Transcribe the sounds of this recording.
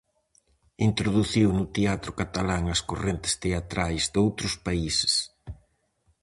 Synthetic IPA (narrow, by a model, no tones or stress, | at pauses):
int̪ɾoðuθiwnʊt̪eat̪ɾʊkat̪alaŋɐskorent̪ɪ̥st̪eat̪ɾajzd̪owt̪ɾʊspaisɪ̥s